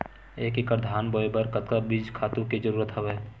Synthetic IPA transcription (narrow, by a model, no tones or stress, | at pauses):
eːkekəɾd̪ʱaːnbɔebəɾkət̪̚kabid͡ʒkʰaːt̪ũked͡ʒəɾuːɾət̪ɦəʋɛː